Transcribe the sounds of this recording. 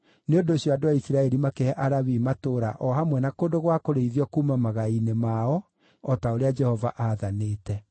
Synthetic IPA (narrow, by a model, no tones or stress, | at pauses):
neondoːɕjɔadoaisiɾaɛɾimakehɛʔaɾaβimatoːɾa̰ʔɔhamwɛnakondoɣwakoɾeiðiɔkuːmamaɣainemaɔ | ɔtaoɾead͡ʒɛhɔva̰ʔaðaneːtɛ